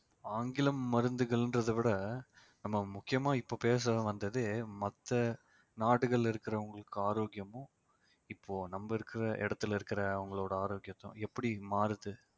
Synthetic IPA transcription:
aːŋɡɪlɐmːɐɾɯnd̪ɯɣɐɭndrɐðɯʋɪɽɐ | nɐmːɐmʊkːɪjɐmaːɪpːoːpeːs̬ɐʋɐnd̪ɐðeːmɐt̪ːɐ | naːʈːɯɣɐɭɪɾɯkːɪɾɐʊŋɡɐɭɯkːɯaːɾoːɡjɐmʊ̃ | ɪpːoːnɐmbɐɪɾɯkːɪɾɐʔɛ̰ɽɐt̪ːɪlɪɾɯkːɪɾɐʊŋɡɐɭoːɽɐaːɾoːɡjɐt̪ːʊ̰̃ɛpːɐɽimaːɾɯðɯ

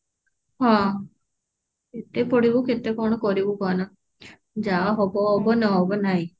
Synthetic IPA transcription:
hɔ̃ | et̪epɔɽibuket̪ekɔɽ̃ɔkɔɾibukɔna | d͡ʒaaɦobɔɦːbɔnɔɦobɔnaɦĩ

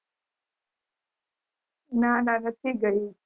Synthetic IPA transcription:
nalaɡət̪ʰiɡəi

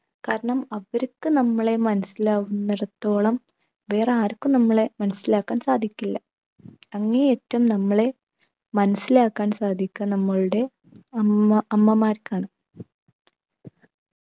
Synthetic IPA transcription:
kaːɾɐɳɐmɐʋɐɾukːɨnɐmːɐɭe̞mɐnɐsːilaːʋunːɐɾɐt̪ːo̞ːɭɐm | ʋe̞ːreaːɾɐkːumnɐmːɐɭe̞mɐnɐsilaːkːaːnsaːd̪ʱikʲːilːɐ | ɐŋːɐneeːtːɐumnɐmːɐɭe̞ | mɐnɐsːilaːkːaːnsaːd̪ʱikʲːɐnɐmːɐɭuɽe̞ | ɐɐɐmːɐmaːɾkaːɳɨ

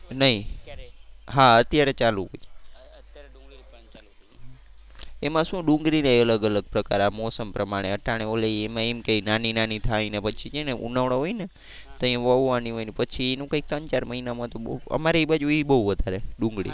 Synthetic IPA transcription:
nəi | ɦaət̪jaɾet͡ʃaluot͡ʃe | emãʃũɖũŋɡɾineələɡələɡ̚pɾəkaɾamɔsəmpɾəmaɽ̃eəʈaɽ̃eolejemãemkeinaninanit̪ʰaĩnepət͡ʃʰid͡ʒeneṵnaʋɳoɦojne | t̪oĩjãʋəʋuʋaniɦojnepət͡ʃʰienũkə̃ik̚t̪əɲt͡ʃaɾməɦinamãt̪obə̰maɾeibad͡ʒuibəɦuʋəd̪ʱaɾeɖũŋɡɽḭ

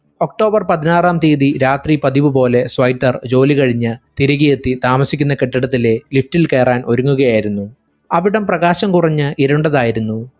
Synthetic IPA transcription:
o̞k̚ʈo̞ːbɐrpɐðinaːraːmt̪iːðiɾaːt̪ripɐðiʋɨpo̞ːle̞sʋɐjtːɐrd͡ʑo̞ːlikɐɻiɲːɨt̪iɾuɣijet̪ːit̪aːmɐsikʲːunːɐkeʈːɐɽɐt̪̬ːile̞liftilke̞ːraːnʔo̞ɾuŋːuɣɐjaːjiɾunːu | ɐʋiɽɐmprɐɣaːɕɐmkurɐɲːɨʔiɾɐɳɖɐðaːjiɾunːu

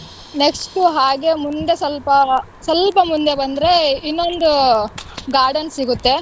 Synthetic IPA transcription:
neksʈuɦaːɡe̞mund̪e̞sɐlpɐ | sɐlpɐmund̪e̞bɐnd̪ɾe̞inːond̪u | ɡaːɾɖɐnsiɡut̪ːe̞

